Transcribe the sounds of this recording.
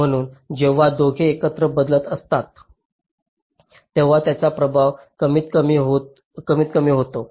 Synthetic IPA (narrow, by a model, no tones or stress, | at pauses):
m̤əɽ̃uːnd͡ʑeʋ̤ːad̪oɡʱeːkət̪ɾəbəd̪lət̪əst̪at̪ | eʋ̤at̪jat͡sapɾəbʱaʋkəmiːt̪əmiːɦo | kəmiːt̪kəmiːɦot̪o